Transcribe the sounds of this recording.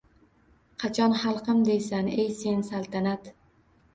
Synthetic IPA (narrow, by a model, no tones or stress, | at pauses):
qʰɑt͡ʃʰɒnχɑlˠqɨmd̪ejsanejse̞nsalˠt̪ʰanat̪